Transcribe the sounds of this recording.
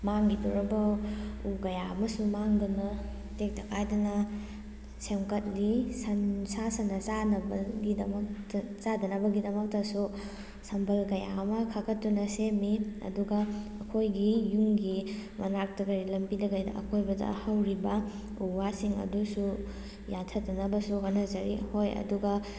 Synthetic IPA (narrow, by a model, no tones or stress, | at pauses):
maŋɡiduɾɐbɐuɡɐjamɐsumaŋdɐnɐ | tek̚tɐkʰajdɐnɐ | semkɐt̚lisɐnsasɐnːɐt͡ʃanɐbɐɡidɐmɐktt͡ʃadɐnɐbɐɡidɐmɐk̚tɐsu | sɐmbʰʱɐlɡɐja̰mɐkʰɐɡɐtːunɐsemiɐ̰duɡɐːkʰojɡijuŋɡimɐnak̚tɐɡɐɾilɐmpidɐɡɐjdɐ̰ɐ̰kʰojbɐdɐ̰hɐwɾibɐ | uwasiŋɐ̰dusu | jatʰɐtdɐnɐbɐsukanɐzɐɾḭhojɐ̰duɡɐ